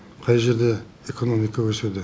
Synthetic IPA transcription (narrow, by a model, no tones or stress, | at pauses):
qʰɑjʒe̞ɾd̪e | eko̞no̞mijkawɵsed̪ɪ